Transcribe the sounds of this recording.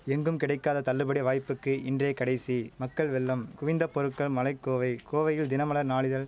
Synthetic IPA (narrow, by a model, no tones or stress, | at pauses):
ɛŋɡɯmkɪɽɐɪkːaːðɐt̪ɐlːɯbɐɽiʋaːjpːɯkːɯʔɪndreːkɐɽɐɪsimɐkːɐɭʋɛɭːɐmkʊʋɪnd̪ɐpːɔɾɯʈkːɐɭmɐlɐɪkːoːʋɐɪkoːʋɐjɪld̪ɪnɐmɐlɐɾnaːɭɪðɐl